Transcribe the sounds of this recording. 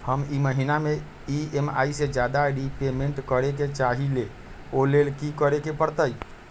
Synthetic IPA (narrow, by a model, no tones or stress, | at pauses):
həmiməɦiname | iema̰ised͡ʒad̪aɾipemeɳʈkəɾeket͡ʃaɦile | olelkikəɾekepəɾt̪əj